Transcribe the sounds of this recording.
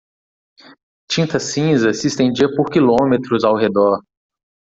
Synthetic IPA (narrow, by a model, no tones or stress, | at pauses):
t͡ʃĩnt̪ɐsĩzɐsɪːst̪ẽd͡ʒiɐpoɾkilõmet̪ɾʊzawɦed̪ɔɾ